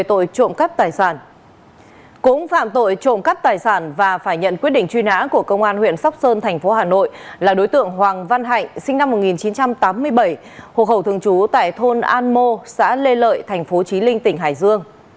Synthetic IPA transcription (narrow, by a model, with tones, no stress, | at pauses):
t̪o̰˧˨jt͡ɕo̰˧˨mkə˦˥p̚t̪aː˨˩jsaː˧˩n | kʊ̰˧˥ŋ͡mfa̰ː˧˨mt̪o̰˧˨jt͡ɕo̰˧˨mka˦˥p̚t̪aː˨˩jsaː˧˩nvaː˨˩faː˧˩jɲə̰˧˨nkwt̚ɗḭ˧˨ŋt͡ɕwi˧nha̰ː˧˥ku˧˩əkə˧wŋ͡mʔaː˧nhwḭ˧˨ənsa˦˥wk͡p̚səː˧nt̪ʰɛ˨˩ŋ̟fo˨˦ɦaː˨˩no̰˧˨jlaː˨˩ɗo˨˦jt̪ɨ̰˧˨əŋɦwaː˨˩ŋva˧nɦa̰˧˨jŋ̟sï˧ŋna˧mːo˨˩t̚ŋi˨˩nt͡ɕi˨˦nt͡ɕa˧mt̪aː˨˦mːɨ˧əjɓə˧˩j | ho̰˧˨xə˧˩wt̪ʰɨ˧əŋt͡ɕu˨˦t̪a̰ː˧˨jt̪ʰo˧nʔaː˧nmo˧sa̰ː˧˥le˧lə̰ː˧˨jt̪ʰɛ˨˩ŋ̟fo˨˦t͡ɕi˨˦lï˧ŋ̟t̪ï˧˩ŋ̟ɦa̰ː˧˨jzɨ˧əŋ